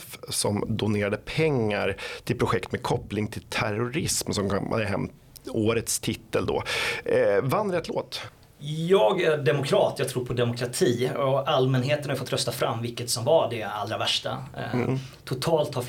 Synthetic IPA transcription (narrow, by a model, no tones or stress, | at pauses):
fsɔmd̪ʊneːɾad̪əpʰɛŋːaɾt̪ʰɪlpʰɾʊɧɛkt̪mekʰɔplɪŋt̪ʰɪlt̪ʰæ̰ɾʊɾɪsmsɔmka̰d̪əɦɛ̰mt̪ | oːɾət̪st̪ʰɪt̪ːəld̪ɔ̰ | vanːɾət̪lo̰ːt̪ | jɑːɡæɖɛmʊkʰɾɑːt̪jɑɡt̪ʰɾuːɾpʰɔd̪ɛmʊkʰɾat̪ʰiːɔalmɛnɦeːt̪ənhafɔt̪ːɾœst̪afɾa̰mːvɪlkːət̪sɔmvaɖɛa̰lːɾavæʂʈa̰ | t̪ʰʊt̪ʰɑːlt̪ha